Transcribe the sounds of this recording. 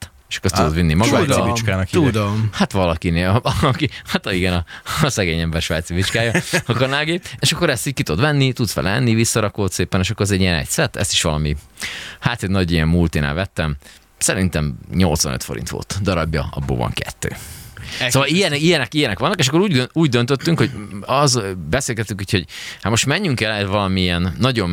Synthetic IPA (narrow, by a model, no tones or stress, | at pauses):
t̪ | eʃɒ̥kːoɾt̪ud̪ot̪vinːimɒɡ̪ivit͡ʃkaːnɒkud̪omhat̪ʋɒlɒkineːlɒkihat̪ɒiɡɛnɒsɛɡeːɲɛmbɛrʃʋaːt̪siʋit͡ʃkaːjɒɒkoɾnalɡeeʃɒkːo̞ɾɛst̪iɟkit̪ud̪ʋɛnːit̪ut̪sfɛ̰lɛɛnːivisːɒɾɒkoːt̪seːpɛneːʃɒkːoɾɛzɛɟːijɛnɛ̰csɛt̪ːɛ̰st̪i̥ʃʋɒlɒmihaːt̪ɛɟnɒɟijɛmːult̪ina̰ːvɛt̪ːɛm | sɛɾint̪ɛmɲo̞lt̪sʋɒ̰nøt̪fo̞ɾḭnt̪ʋo̰lt̪d̪ɒɾɒbjɒ̰ɒ̰bːo̰ːvɒ̰ŋkɛ̰t̪ːø̰ː | sovɒlijɛnijɛnɛkijɛnɛkʋɒnːɒkeːʃ̬ɒkːoɾuːɟøuːɟ̚d̪ønt̪øt̪ːyŋkho̞ɟɒzbɛseːlɡɛt̪ːyŋkuːcho̞ɟhat̪mo̞ʃt̪mɛɲːyŋkɛlɛt̪vɒlɒmiɛnːɒɟom